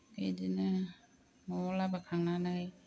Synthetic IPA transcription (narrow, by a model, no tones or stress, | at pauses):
kḛjdinɯ | mɔlabakʰaŋanaj